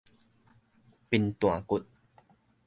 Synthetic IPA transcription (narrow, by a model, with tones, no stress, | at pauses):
pi˧nt̪wa˨˩˨ku˨˩t̪̚